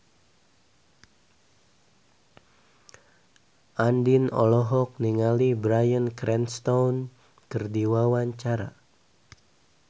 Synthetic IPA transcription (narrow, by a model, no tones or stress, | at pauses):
ʔandinɔ̰lɔɦɔk̚niŋalibɾajənkɾɛnst̪ɔwn | kərdiwawaɲt͡ʃaɾa̰